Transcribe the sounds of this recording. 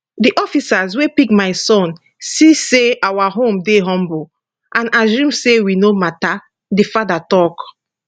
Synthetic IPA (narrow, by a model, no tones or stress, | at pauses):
diʔɔfisazwepikmaɪsɔ̃n | siseawaɦõmdeɦɔ̃mbu | ʔãnasũmsewinomata | difadatɔk